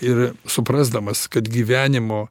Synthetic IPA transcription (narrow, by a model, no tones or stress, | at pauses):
ɪrsʊpɾɑːzd̪ɐmɐskɐt̪ɡʲiːʋʲæːnʲɪmoː